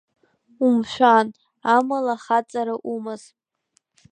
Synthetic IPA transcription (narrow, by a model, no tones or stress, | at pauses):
umʃʷᶣan | amalaχat͡sʼaɾaʔumaz